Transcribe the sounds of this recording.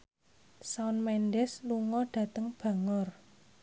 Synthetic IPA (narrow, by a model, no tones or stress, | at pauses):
saʊnmɛnɖɛsluŋɔɖ̥ä̤t̪əŋb̥ä̤ŋɔr